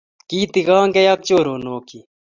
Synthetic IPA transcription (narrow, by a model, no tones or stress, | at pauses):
kiːt̪iɣaːŋɡejak̚t͡ʃoːɾoːnoːki